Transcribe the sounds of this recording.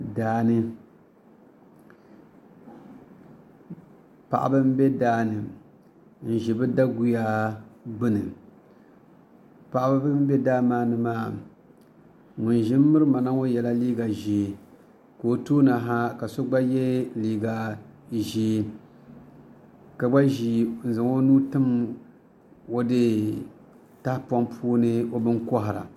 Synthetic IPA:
daː˨nɨ˦ | pa̰˨ʔa̰˨bɨ˦m˦be˦daː˦nɨ˨ | n̩˨ʒɪ˨bɨ˦da˦ɡu˨ja˦bɨ˦nɨ˨ | pa˨ʔa˨ba˦bɨ˦m˦bɛ˦daː˦maː˦nɨ˨maː˦˨ | ŋʊ˨nʒɪ˦mː˦ɨ˦ɾɨ˦ma˨na˦ŋo˦jɛ˨la˦liː˦ɡa˨ʒi˨ | ko˨o˨toː˦na˨ɦa˦ka˨so˦ɡ͡ba˦jɛ˦liː˨ɡa˨ʒi˦ | ka˨ɡ͡ba˦ʒi˨n̩˨zɨ˨ŋo˦nuː˦tɨ˦m | o˦dɨ˦ | ta˦hpa˦mpʰuː˦nɨ˦o˦bɨ˦ŋkɔ˦ɦɪ˨ɾa̰˨

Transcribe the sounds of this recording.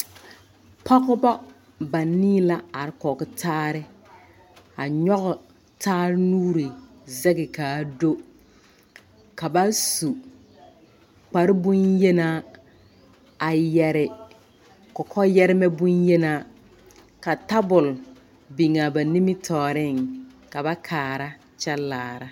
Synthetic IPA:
pa˦ɣʊ˦ba˦ | ba˨niː˦la˦a˨ɾɪ˦kɔ˨kɪ˦tʰaː˦ɾɪ˦ | a˨ɲɔ˦ɣʊ˨ | taː˦ɾɪ˦nuː˦ɾi˨ | zɛ˦ɡɪ˨kaː˨do˦ | ka˨ba˦su˨ | k͡pa˨ɾɪ˦bʊ˦njɛ˦na˦ | a˨jɛ˨ɾɪ˨ | kɔ˨kʰɔ˦jɛ˦ɾɪ˦mɛ˦bʊ˦njɛ˦naː˦ | ka˨ta˦bʊ˨l | bi˨ŋa˨ba˨ni˦mɪ˦tʰɔː˨ɾɪ˦˨ŋ | ka˨ba˦kʰaː˨ɾa˦ | t͡ʃɛ˦laː˨ɾa˦

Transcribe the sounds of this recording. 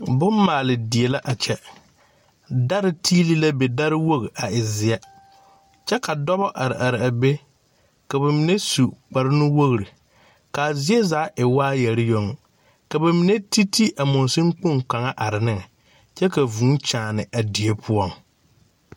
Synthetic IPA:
bʊ˦m˦maː˨lɪ˨dɪ˨e˨la˦ʔa˨t͡ʃɛ˦ | da˦ɾɪ˦tʰiː˦li˦la˦be˨da˦ɾɪ˦wo˦ɣi˨ʔa˨ɪ˨zɪ˨a˦ | t͡ʃɛ˦ka˨dɔ˦βɔ˦ʔa˨ɾɪ̰˨ʔa˨ɾɪ˨a˨be˦ | ka˨ba˨mi˨ne˦su˨k͡pa˨ɾɪ˦nʊ˦wo˦ɣɾi˨ | ka˨zɪ˦e˦zaː˨˦ʔɪ˨waː˦jɛ˨ɾɪ˦jo˦ŋ˦ | ka˨ba˨mi˨ne˦ti˦ti˦ʔa˨mʊ˨n˨sɪ˦ŋ̩˦k͡po˦˨ŋka˨ŋa˦ʔa˨ɾɪ˨nɪ˦˨ŋ˨ | t͡ʃɛ˦ka˨vũ˨˦t͡ʃaː˨nɪ˨ʔa˨di˨e˦pʰʊ˦ɔ˦˨ŋ

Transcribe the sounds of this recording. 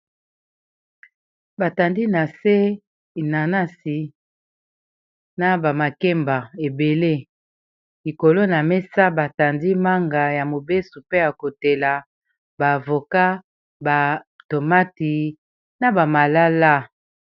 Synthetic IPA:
ba˨ta˨ndi˦na˨se˦˨ | na˨na˦si˨ | na˨ba˨ma˨kɛ˦mba˨e˨be˨le˦ | li˨ko˨lo˦na˨mɛ˦sa˦ba˨ta˨ndi˦ma˦ŋɡa˨ja˨mo˨be˦su˨pe˦ja˨ko˨te˨la˨ | ba˨vo˨ka˦ | ba˨ | to˨ma˦ti˨ | na˨ba˨ma˨la˦la˦˨

